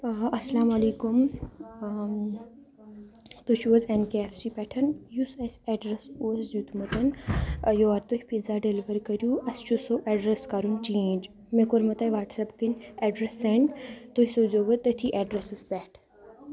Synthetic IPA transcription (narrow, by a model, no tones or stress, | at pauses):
ɐsɐlaːmɐleːkum | t̪ot͡ʃʰuɐzenkeefsipɛʈʰɐnjusɐsɛɖɾɐsuɐsd͡ʒut̪mɐt̪ɐnjoːɐɾt̪ohʲipizaːɖeliʋɐɾkɐɾjuɐst͡ʃʰusoʔɛɖɾɐskaɾunt͡ʃẽːnd͡ʒ | mekoɾmɐt̪ɐʋaːʈsɐpkinɛɖɾesent̪oisoːd͡ʒoʋɐt̪ːɐt̪ʰiʔɛɖɾesɐspɛʈʰ